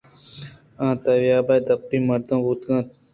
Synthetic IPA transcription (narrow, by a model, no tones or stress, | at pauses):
ãːt̪ɐwjaːbɐjd̪ɐpːĩːmɐɾd̪õːbut̪ɡãːt̪̚